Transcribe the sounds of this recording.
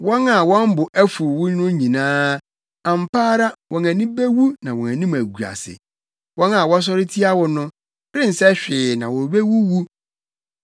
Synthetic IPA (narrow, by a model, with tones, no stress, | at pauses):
wɔ̃˦na˨wɔ̃˦m˦bʊ˨ʔæ˦fu˨wʊ˦nʊ̃˦ɲĩ˨nãː˦ | a˨m̩˨paː˦ɾa˦wɔ̃˨næ̃˨nĩ˦be˦wu˦nã˨wɔ̃˨æ̃˨nĩ˦mæ˨ɡu˨a̰˨sɪ̰˨ | wɔ̃˦na˨wɔ˦s̬ɔ˦ɾɪ˦tʰi˦a˦wʊ˨nʊ̃˦ | b̥ɾɪ̃˦n̩˨sɛ˦ɕᶣɪː˨nã˨wɔ˨be˦wu˦wu˦